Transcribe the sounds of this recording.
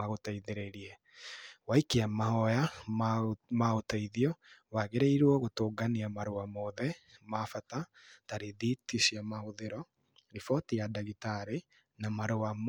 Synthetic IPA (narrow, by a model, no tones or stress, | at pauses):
aɣotaiðeɾeɾiɛ | waikeamahɔja | maotaiðiɔwaɣeɾeiɾwɔɣotoːɡaniamaɾoamɔðɛmafata | taɾeðitisiamahoðeɾɔ | ɾifɔtijadaɣitaɾe | namaɾowam